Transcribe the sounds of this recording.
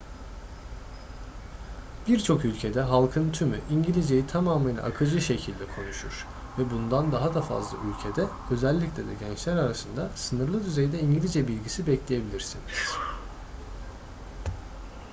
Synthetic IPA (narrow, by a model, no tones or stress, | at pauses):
b̥iɾt͡ʃʰo̞kylʲcʰe̞d̪ɛɦalˠkʰɯnt̪ʰymyʔiɲɟilʲid͡ʒejit̪ʰamaːmɯnʲa̰ʔa̰kʰɯd͡ʒɯʃecʰilʲd̪ɛkʰo̞nuʃuɾ̥ | vɛbund̪and̪aɦad̪afa̰zlˠa̰ʔylʲcʰed̪ɛ | ø̞zælʲːiclʲed̪ɛ̰ɟɛnt͡ʃlʲæɾaɾasɯnd̪asɯnɯɾlˠɯd̪yze̞jid̪ɛiɲɟilʲid͡ʒɛbilʲɟisibɛclʲe̞je̞bilʲiɾsiniz̥